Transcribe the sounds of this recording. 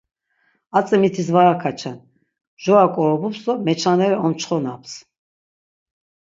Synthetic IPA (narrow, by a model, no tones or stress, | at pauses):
at͡sʼɛmit̪ʰisvaɾakʰat͡ʃʰan | ʒ̥ɔakʼɔɾɔbupsɔmɛt͡ʃʰanɛɾɛɔmt͡ʃʰχɔnaps